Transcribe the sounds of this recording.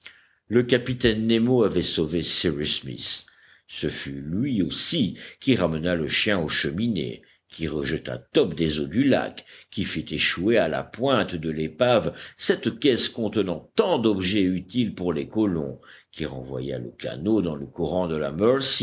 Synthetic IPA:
ləkapit̪ɛnːemoavɛsovesiʁismḭsː | əfylɥiosikʲiʁamənaləʃjɛ̃oʃəminḛ | kʲiʁəʒət̪a̰t̪ɔpd̪ezod̪yla̰kkʲːifit̪eʃueala̰pwɛ̃t̪d̪əlepavsɛt̪kʲɛskɔ̃t̪ənɑ̃t̪ɑ̃d̪ɔbʒɛyt̪ilpuʁlekɔlɔ̰̃kʲiʁɑ̰̃vwa̰ja̰ləka̰nod̪ɑ̃ləkuʁɑ̃d̪əla̰mœʁsi

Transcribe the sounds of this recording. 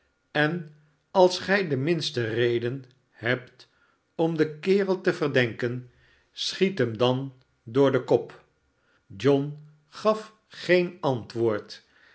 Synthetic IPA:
ɛn | ɑlˠsχɛjdəmɪnstərejdən | hɛpt | ɔmdəkɪːrəlˠtəvərdɛŋkən | sχitɦəmdɑn | dʊːɹdəkɔp | d͡ʒɔn | χɑf | χejnɑntʋʊːɹt

